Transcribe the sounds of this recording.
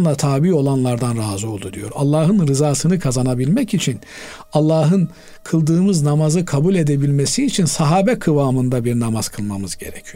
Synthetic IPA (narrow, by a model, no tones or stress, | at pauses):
lˠat̪ʰaːbiːo̞lˠanlˠaɾd̪anɾaːzɯo̞lˠd̪ud̪ijo̞̰ɾalˠːaːɦɯnɾɯzaːsɯnɯkʰazanabilʲmɛcit͡ʃʰin | alˠːaːɦɯn | kʰɯlˠd̪ɯːmɯznamazɯkʰabulʲe̞d̪ebilʲme̞siːt͡ʃʰinsaɦaːbɛkʰɯvaːmɯnd̪abiɾnamaz̥kʰɯlˠmamɯzɟe̞̰ɾɛcʰijo̥